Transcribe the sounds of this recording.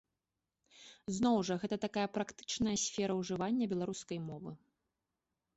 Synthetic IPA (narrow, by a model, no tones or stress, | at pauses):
znɔwʐɐɣɛt̪ɐt̪akajɐpɾakt̪ɨ̥t͡ʂnɐjɐsʲfʲɛɾɐwʐɨvanʲːɐbʲɛlˠaɾuskɐjmɔvɨ̰